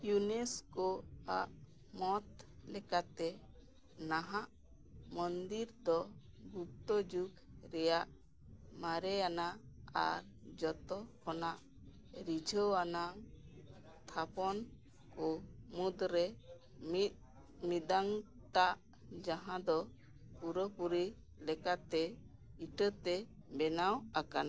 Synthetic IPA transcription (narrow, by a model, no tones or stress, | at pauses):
juneskɔaʔ | mɔt̪̚lɛkat̪ɛ | naɦaʔ | mɔnd̪iɾd̪ɔɡup̚t̪ɔd͡ʒuɡɾɛjaʔ | maɾɛanaa̰ɾ | d͡ʒɔt̪ɔkʰɔnaʔ | ɾid͡ʒʱəwana | t̪ʰapɔn | kɔmud̪ɾɛ | mit̪̚ | mid̪aŋ | ʈaʔ | d͡ʒaɦãd̪ɔ | puɾɔpuɾi | lɛkat̪ɛiʈət̪ɛbɛnawakana